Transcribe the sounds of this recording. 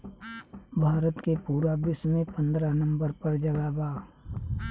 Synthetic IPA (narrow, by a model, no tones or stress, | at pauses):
bʱaːɾət̪kepuːɾabɪsmẽpə̃nd̪ɾanɐ̃mbəɾpɐɾd͡ʒɐɡaːbaː